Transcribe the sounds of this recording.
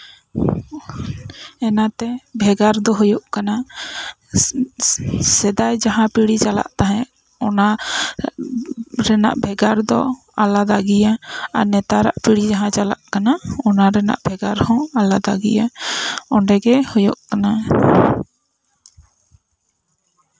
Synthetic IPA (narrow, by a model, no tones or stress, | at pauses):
ɛnat̪ɛbʱɛɡaɾd̪ɔɦɔjɔʔkana | sɛd̪ajd͡ʒaɦãpiɽit͡ʃala̰ʔt̪aɦɛ̃ | ɔna | ɾɛna̰ʔbʱɛɡaɾd̪ɔ̰ | alad̪aɡijaaɾnɛt̪aɾa̰ʔpʰiɽid͡ʒaɦãt͡ʃala̰ʔkanaɔnaɾɛna̰ʔbʱɛɡaɾhɔ̃alad̪aɡḭjaɔɳɖɛɡɛhɔjɔʔkana